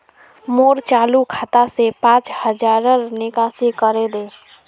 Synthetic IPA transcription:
moːɾt͡ʃaːlukʰaːt̪asepãːt͡ʃhəd͡ʒaːɾəɾnɪkaːsikəɾed̪eː

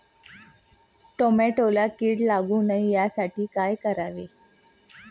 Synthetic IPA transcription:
ʈomeʈolakiːʈlaɡũːnaijasaʈiːkajkəɾaʋe

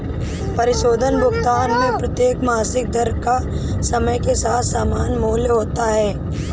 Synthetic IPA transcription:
pɐɾɪʃoːd̪ʱənbʱʊkt̪aːnmẽpɾɐt̪jeːkmaːsɪk̚d̪ɐɾka | sɐməjkesaːt̪ʰsaːmaːnmoɦljəɦoːt̪aɦɛː

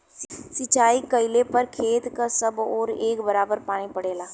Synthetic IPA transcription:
sɪt͡ʃaːikəilepɐɾkʰeːt̪kasɐbɔːɾeːkbɐɾaːbəɾpaːɽ̃ipɐɽeːlaː

